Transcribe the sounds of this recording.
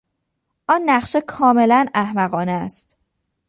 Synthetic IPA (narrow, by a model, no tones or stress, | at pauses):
ʔɒnːæχʃekʰɒːme̞lænæhmæɢɒːneæst̪